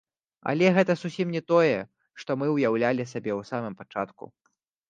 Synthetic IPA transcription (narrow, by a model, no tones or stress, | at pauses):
ɐ̰lʲɛɣɛt̪ɐsusʲimnʲɛt̪ɔjɛ | ʂt̪ɔmɨwjawlʲalʲisabʲɛwsamɨmpat͡ʂat̪kṵ